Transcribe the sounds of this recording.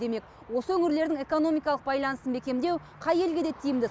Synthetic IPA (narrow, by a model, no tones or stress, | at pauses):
d̪e̞me̞k | wo̞səɵŋɪɾle̞ɾd̪ɪŋe̞ko̞no̞mijkɑlˠəqbɑjlˠɑnəsənbe̞kʲe̞md̪e̞w | qʰɑje̞lɡʲe̞d̪e̞t̪ʰijɪmd̪ɪ